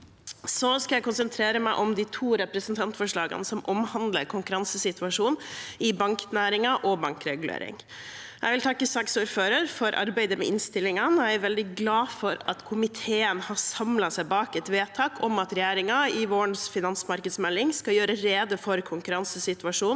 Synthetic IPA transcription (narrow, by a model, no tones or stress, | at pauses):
sɔskɑljæɪkʊnsənt̪ʰɾeːɾəmæɪʔɔmd̪it̪ʰuːɾɛpɾəsənt̪ʰɑnt̪fɔʂɭɑːɡə̰nsɔmʔɔmhɑnd̪lə̰ɾkʰʊŋkʉɾɑnsəsɪt̪ʋɑʂuːnɪbɑŋknæːɾɪŋɑʔɔbɑŋkɾɛɡʉlḛːɾɪ̰ŋ | æɪʋɪlt̪ʰɑkːəsɑksuːɾføːɾəɾfɔɾʔɑ̰ɾbæɪd̪əmɛ̰ʔɪnst̪ɪlːɪŋɑnæɪʋɛld̪ɪɡlɑːfɔɾɑt̪kʰʊmɪt̪ʰeːənhɑsɑmlɑsæɪbɑːkɛt̪ʋeːt̪ʰɑːkʰɔmɑt̪ɾɛjæːɾɪŋɑɪʋoːəɳsfɪnɑnsmɑɾkəd̪smɛlːɪŋskɑjøːɾəɾeːd̪əfɔɾkʰʊŋkʉɾɑnsəsɪt̪ʉʋɑʂuːn